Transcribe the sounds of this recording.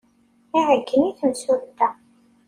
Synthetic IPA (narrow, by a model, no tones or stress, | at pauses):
iʕəɡːəniθəmsuɾt̪ːæ